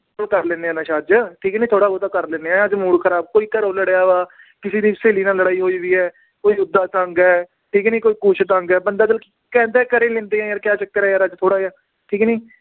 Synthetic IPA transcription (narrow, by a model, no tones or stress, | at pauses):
təɾlẽːneːaːnãːʃaːd͡ʒʈʰiːknĩːt̪ʰoːɽaːot̪aːkəɾlẽːneːɛ̃əd͡ʒmuːɽkʰəɾaːb̚koːiːk̪əɾoːləɽjaːʋaː | kɪseːd̪iːseːliːnãːləɽaːiːɦoːiʋiːɛː | koːiːʊd̪ːaːt̪ə̃ŋɡɛː | ʈʰiːkniːkoːiːkuːt͡ʃʰt̪ə̃ŋɡɛːbənd̪aːd͡ʒəlkː | kɛ̃ːnd̪ɛːkəɾẽːlɪ̃nd̪eːãjaːɾkjaːt͡ʃək̚t̪eːɾɛːaɾəd͡ʒt̪ʰoːɽaːjaː | ʈʰiːkniː